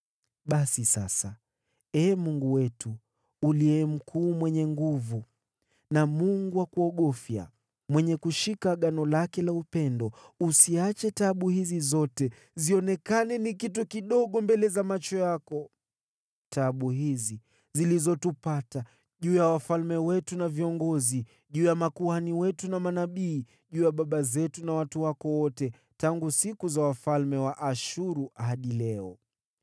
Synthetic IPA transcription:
ɓasisa̰sa | ɛːmuŋɡuwɛtuː | liɛm̩kʰuːmwɛɲɛŋɡuvu | namuŋɡuwakuɔɠɔfja̰ | mwɛɲɛkuʃikaɠanɔlakɛlaupɛndɔusiat͡ʃɛtaɓuhizizɔtɛ | ziɔnɛkanɛnik̬itukiɗɔɠɔmbɛlɛzamat͡ʃɔjakɔ | taɓuɦizi | zilizɔtupata | ʄuːjawafalmɛwɛtunaviɔŋɡɔzi | ʄuːjamakuaniwɛtunamanaɓiː | ʄuːjaɓaɓazɛtunawatuwakɔwɔtɛ | taŋɡusikuzawafalmɛwaʔaʃuɾuʔaɦaɗilɛɔ̰

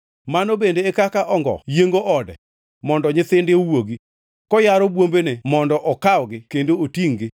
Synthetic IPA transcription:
manobendeːkakaʔɔŋɡɔ̰jeŋɡoʔɔdɛ̰ | mɔndɔɲɪt̪ɪndɪowoɡi | kɔjaɾɔbwombenemɔndɔʔɔkaɔɡɪkendootiŋɡɪ

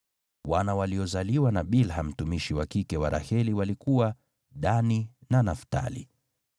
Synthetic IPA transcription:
wanawaliɔzaliwanaɓilɦam̩tumiʃiwakikɛwaɾʔa̰hɛliwalikuwa | ɗaninanafta̰lḭ

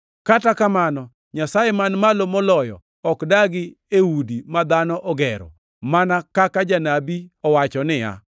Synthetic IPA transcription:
katakamanɔ | ɲasajɛmanmalomolɔjɔ̰ | ɔkdaɡɪ | eudimad̪anɔʔɔɡɛɾɔ̰ | manakakad͡ʒanabiɔwat͡ʃɔnɪja̰

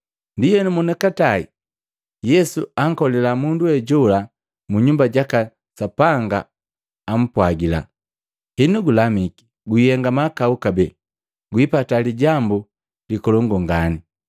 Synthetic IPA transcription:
ndijɛnumɔnɛkatai | jɛsuaŋkɔlɛlamunduwɛɟɔla | muɲumbaɟaka | sapaŋɡa̰ː | m̩pwaɡila̰ | hinuɡulamiki̥ | ɡujɛŋɡamakaukabɛ | ɡwipataliɟambu | likɔlɔŋɡɔŋɡani

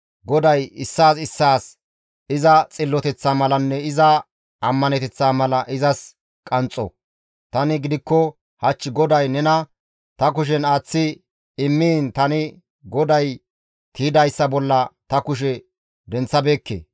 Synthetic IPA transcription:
ɡɔd̪ɐjɪsːaːs̬ɪsːaːs | ɪzɐt͡sʼɪlːɔt̪ɛt͡sːaːmɐlɐnːɛɪzɐ | ɐmːɐnɛt̪ɛt͡sːaːmɐlɐʔɪzɐs | kʼɐnt͡sʼːɔ̰ | t̪ɐnɪɡɪd̪ɪkːɔ | hɐt͡ʃːɪɡɔd̪ɐjnɛnɐ | t̪ɐk̬ʊʃ̬ɛnaːt͡sːɪ | ɪmːiːnt̪ɐnɪ | ɡɔd̪ɐj | t̪ʰiːd̪ɐjsːɐbɔlːɐt̪ɐkʊʃ̬ɛ | d̪ɛnt͡sːɐbeːkːḛː

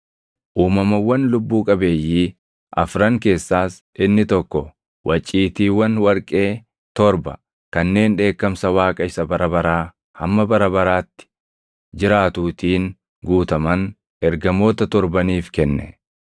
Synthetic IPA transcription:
ʔuːmɐmɐwːɐnlʊbːuːkʼɐbe̞ːjːiː | ʔɐ̰fɾɐŋke̞ːsːaːs | ʔɪnːɪt̪ɔkːɔ | wʔɐt͡ʃʼːiːt̪iːwɐnwɐɾkʼe̞ː | t̪ɔɾbɐ | kɐnːe̞ːnᶑe̞ːkːɐmsɐwaːkʼɐɪsɐbɐɾɐbɐɾaː | hɐmːɐbɐɾɐbɐɾaːt̪ːɪ̥ | d͡ʒɪɾaːt̪uːt̪iːŋ | ɡuːt̪ɐmɐn | ɛɾɡɐmo̞ːt̪ɐt̪ɔɾbɐniːfkɛnːɛ̰

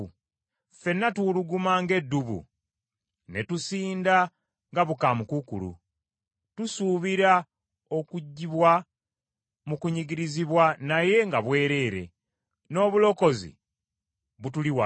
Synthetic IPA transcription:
fe̞nːatuluɡumaŋɡe̞dːuβṵ | ne̞tusiːnda | ŋɡaβukamukukṵlṵ | tusuβiɾa | o̞kuɟːiβwa | mukuɲiɡiɾiziβwanaje̞ŋɡaβwe̞ːɾe̞ːɾe̞̰ | no̞ːβulo̞ko̞zḭ | βutuliwa

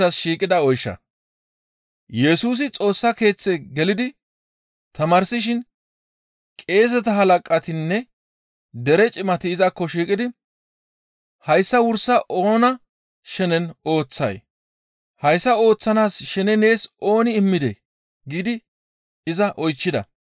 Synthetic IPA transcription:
ɐsʃiːkʼɪd̪ɐɔjʃːɐ̰ | jɛsuːs̬ɪt͡sʼo̞ːsːɐke̞ːt͡sːeɡɛlɪd̪ɪ | t̪ʰɐmaːɾsɪʃ̬ɪn | kʼe̞ːs̬ɛt̪ɐɦɐlɐkʼːɐt̪ɪnːɛ | d̪ɛɾɛt͡ʃʼɪmɐt̪ɪːzɐkːɔʃiːkʼɪd̪ɪ | hɐjsːɐwʊɾsːɐʔo̞ːnɐ | ʃɛnɛno̞ːt͡sːɐ̰j | hɐjsːɐo̞ːt͡sːɐnaːsʃɛnɛne̞ːso̞ːnɪɪmːɪd̪ḛ | ɡiːd̪ɪ | ɪzɐʔɔjt͡ʃːɪd̪ɐ̰

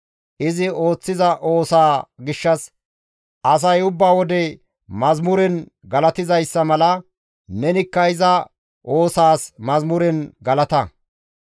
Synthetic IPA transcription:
ʔɪzɪo̞ːt͡sːɪzɐʔo̞ːsaːɡɪʃːɐs | ʔɐs̬ɐjʊbːaːwɔd̪ɛ | mɐzmʊɾɛn | ɡɐlɐt̪ɪzɐjsːɐmɐlɐ | nɛnɪkːɐɪzɐ | ʔo̞ːsaːsmɐzmʊɾɛnɡɐlɐt̪ɐ

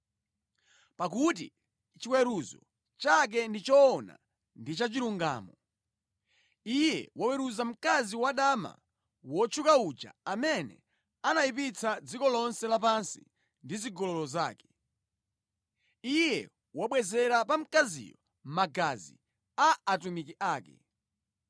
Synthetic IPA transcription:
pak̬ut̬ḭ | t͡ʃiwɛɾuzɔ̰ | t͡ʃak̬ɛndit͡ʃɔːna̰ | ndit͡ʃat͡ʃiɾuŋɡa̰ːmɔ | ijɛ̰wawɛɾuzam̩kaziwaɗama̰ | wɔt͡ʃʰukaud͡ʒa̰amɛnɛ̰ | anaip̬it͡sad͡zikɔlɔnsɛlapansḭ | ndiziɡɔlɔlɔza̰ːkɛ̥ | ijɛ | waɓwɛzɛɾapam̩kazḭjɔ | m̩maɡazḭ | aatumikiʔaːkɛ̰

